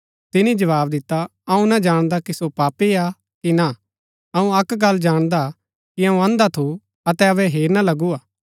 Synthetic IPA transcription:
t̪ɪnĩd͡ʒɐʋaːbd̪ɪt̪ːaɐũnad͡ʒaːɽ̃d̪akisopaːpia | kina | ɐũɐkɡɐlːd͡ʒaːɽ̃d̪a | kiɐũɐ̃ːnd̪at̪ʰu | ɐt̪ɛɐbɛɦeːɾnalɐɡuaː

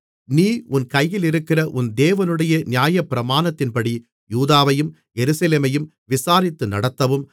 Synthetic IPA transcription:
niːʊnkɐjjɪlɪɾɯkːɪrɐʔʊnd̪eːʋɐnɯɽɐjɐnɪjaːjɐpːɪɾɐmaːnɐt̪ːɪnpɐɽi | juːðaːʋɐjɯm | jɛɾɯsɐleːmɐjɯm | ʋɪsaːɾɪt̪ːɯnɐɽɐt̪ːɐʋɯm

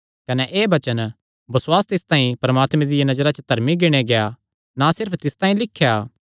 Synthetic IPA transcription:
kɐnɛʔeːbɐt͡ʃən | bɐswaːst̪ɪst̪ãːĩpɐɾɐmaːt̪mẽd̪ɪjanɐzəɾat͡ʃət̪ɐɾmiɡɪɽ̃eɡeja | nasɪɾpʰt̪ɪst̪ãːĩlɪkʰːjaː

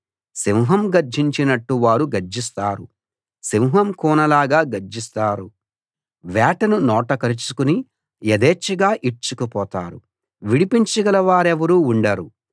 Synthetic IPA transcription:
simɦɐmɡɐɾd͡ʒiɲt͡ʃinɐʈːuʋaːɾuɡɐɾd͡ʒist̪aːɾu | simɦɐmkuːnɐlaːɡaːɡɐɾd͡ʒist̪aːɾu | ʋaːʈɐnunɔːʈɐkɐɾit͡ʃukuni | ɐd̪eːt͡ʃːiɡaːʔiɾt͡ʃukupɔːt̪a̰ːɾṵ | ʋiɽipiɲt͡ʃɐɡɐlɐʋaːɾeʋɐɾuːɳɖɐɾu

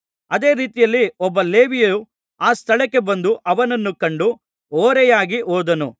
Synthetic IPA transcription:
ɐd̪e̞ːɾiːt̪ijɐlːiɔbːɐleːʋijɐu | aːst̪ʰɐɭɛkːe̞bɐnd̪uʔɐʋɐnɐnːukɐɳɖu | oːɾɛjaːɡiʔoːd̪ɐnu

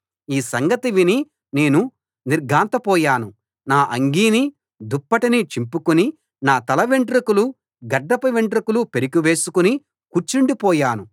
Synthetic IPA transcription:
iːsɐŋɡɐt̪iʋini | ne̞ːnu | niɾɡʱaːnt̪ɐpɔːjaːnu | naːʔɐŋɡiːni | d̪upːɐʈinit͡ʃimpukuni | naːt̪ɐlɐʋeɳʈɾikulu | ɡɐɖːɐpɐʋeɳʈɾikulupeɾikiʋe̞ːsukuni | kuɾt͡ʃiɳɖipɔːjaːnu

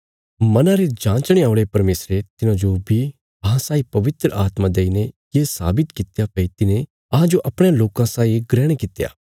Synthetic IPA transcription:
mɐnãɾed͡ʒãːt͡ʃɽ̃eaːʊɭepɐɾmeːsɾet̪ɪnãd͡ʒobʱi | ɐɦãsaːipɐʋɪt̪ɾəʔaːt̪mãd̪eːinejeːsa̰ːbɪt̪kɪt̪japɐit̪ɪnẽ | ɐɦãd͡ʒoʔɐpɽ̃ejãloːkãsaːiɡɾɛːɽ̃ekɪt̪ja̰ː

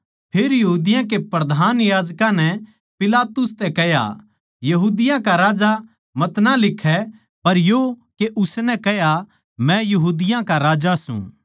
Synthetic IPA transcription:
pʰeːɾjɐɦuːd̪ɪjãkepɾɐd̪ʱaːnjaːd͡ʒkãnɛ | pɪlaːt̪ʊst̪ɛkɛja̰ | jɐɦuːd̪ɪjãkaɾaːd͡ʒa | mɐt̪nãlɪkʰːɛ | pɐɾjokeʔʊsnɛ̃kɛja | mɛ̃jɐɦuːd̪ɪjãkaɾaːd͡ʒasṵ̃ː

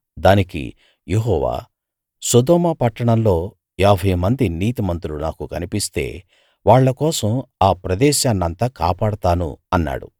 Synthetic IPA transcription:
d̪aːnikḭ | jeɦɔːʋa̰ː | sɐd̪ɔːmɐpɐʈːɐɳɐmlo̞ː | ɛːbʱɐjmɐnd̪iniːt̪imɐnt̪ulunaːkukɐnipist̪e̞̰ː | ʋaːɭːɐkɔːsɐmaːpɾɐd̪ɛːʃaːnːɐnt̪ɐka̰ːpaːɽɐt̪aːnṵɐnːa̰ːɽṵ

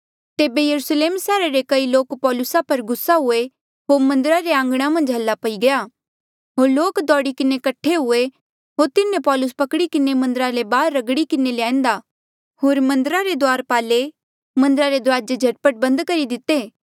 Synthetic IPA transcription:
t̪eːbejɐɾʊsleːmsɛːɾaɾekɐiloːkpɔːlʊsapɐɾɡʊsaɦʊe | ɦoːɾmɐ̃nd̪ɾaɾeãːŋ̆ɡɽ̃amɐ̃nd͡ʒɦɐlːapɐiɡɐja | ɦoːɾloːkd̪ɔːɽikɪnekɐʈʰːeɦʊe | ɦoːɾt̪ɪnẽpɔːlʊs̬pɐkɽikɪnemɐ̃nd̪əɾalebaːɾːɐɡɽikɪneleãːẽːnd̪a | ɦoːɾmɐ̃nd̪əɾaɾed̪oaːɾpaːle | mɐ̃nd̪əɾaɾed̪ɾaːd͡ʒed͡ʒʱɐʈpəʈ̚bɐ̃nd̪kɐɾid̪ɪt̪ːeː

